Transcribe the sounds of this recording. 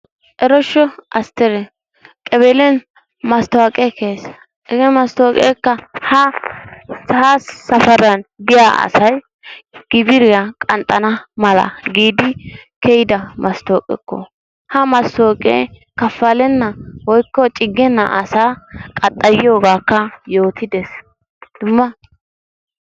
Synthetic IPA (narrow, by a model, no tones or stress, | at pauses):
ʔɛɾɔʃːɔʔɐst̪ɛɾɛ | kʼɛbelɛn | mɐst̪ʊaːkʼɛkeːs | ɛɡɛmɐst̪oːkʼḛːkːɐhɐ | sasːɐfɐɾɐnbɪjaʔɐ̰sɐj | ɡ̥ɪbɪɾɪɐkʼɐnt̪ʼːɐnɐmɐlɐ̰ɡiːd̪ɪkɛjɪd̪ɐmɐst̪o̞ːkʼɛ̰kːɔ̰ | hɐmɐst̪oːkʼḛkɐfːɐlɛnːɐwɔjkːɔt͡ʃʼɪɡːɛnːɐ̰ʔɐsaːkʼɐt̪ʼːɐjɪjo̞ːɡaːkːɐjo̞ːt̪ɪd̪ɛs | d̪̥ʊmːɐ